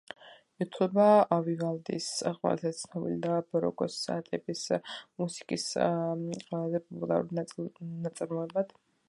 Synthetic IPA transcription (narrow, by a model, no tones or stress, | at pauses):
ɛt̪ʰlɛbaavivalˠd̪ḭsqʼwɛ̰la̰zɛt̪sʰnɔbḭlid̪abɔɾɔ̰kʼɔsa̰ːt̪ʼɛbismusi̥kʼis | ɛazɛpʼɔpʼulˠaɾṵlnat̪sʼaɾmɔɛbad̪̥